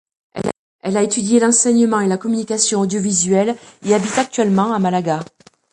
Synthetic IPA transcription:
ɛlaet̪yd̪jelɑ̃sɛɲəmɑ̃elakɔmynikasjɔ̃od̪jɔvizɥɛleabit̪ak̚t̪ɥɛlmɑ̃amalaɡa

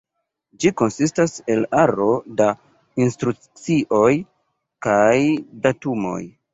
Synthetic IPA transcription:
d͡ʒiko̞nsistase̞laɾo̞da | instɾu | t͡siʔo̞j | kajdatumo̞̰j

